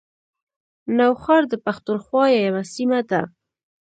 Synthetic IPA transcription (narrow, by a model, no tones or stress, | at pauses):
nawxɑɾd̪əpaxt̪unxwɑjajawasimad̪a